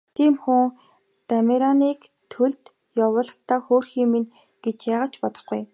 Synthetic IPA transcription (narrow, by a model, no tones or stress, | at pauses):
t̪ʰiːmxuŋ | t̪ameɾaniːk | t̪ʰɵɮt̪ | jawʊːɮə̆χt̪aːxoːrxiːmin | ɡ̥et͡ɕjaːʁə̆t͡ɕpɔt̪ɞ̆χɡuj